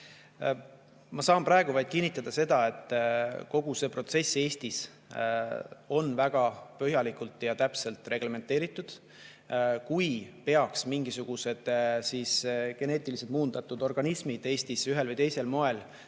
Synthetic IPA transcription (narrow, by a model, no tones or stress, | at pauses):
mɑsɑːmprɑe̞ɡ̥uvɑjd̪̥̚kinːit̪ːˑɑd̪̥ɑse̞d̪̥ɑe̞t̪ˑːko̞ɡ̥use̞ːpro̞t̪se̞sːe̞ːst̪is | o̞nvæɡ̥ɑpøɦjɑlikˑult̪ˑjɑt̪æpse̞lt̪ˑre̞ɡ̥le̞me̞nt̪ːˑe̞ːɾit̪ːˑud̪̥ | kujpe̞ɑksmiŋɡ̥isuɡ̥use̞d̪̥sisɡ̥e̞ne̞ːt̪ˑilised̪̥muːnd̪̥ɑt̪ːˑud̪̥o̞rɡ̥ɑnismid̪̥e̞ːst̪isyɦe̞lvɨjt̪e̞jse̞lmo̞e̞l